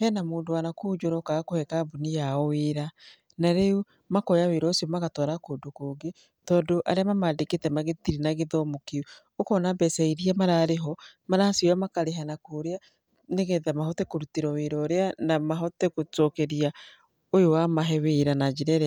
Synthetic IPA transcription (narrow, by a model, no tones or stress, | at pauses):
hɛnamoːndoanakoːd͡ʒoɾɔkaakohɛkabonijaɔweɾa | naɾeu | makɔjaweɾɔsiɔmaɣatɔɾakodokoːɡe | tɔːdoʔaɾeamamadeketɛmaɣetiɾinaɣeðɔmokeu | okɔnabɛsaiɾiamaɾaːɾeɦɔmaɾasioamakaɾeɦanakoɾea | neɣeðamaɦɔtɛkoɾutiɾɔweɾɔɾeanamaɦɔtɛkotɔkɛɾia | ojowamaɦɛweɾanad͡ʒeɾɛɾɛ